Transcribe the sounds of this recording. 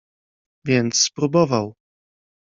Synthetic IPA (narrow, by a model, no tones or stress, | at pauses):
vʲjɛnt̪sːpɾubɔvaw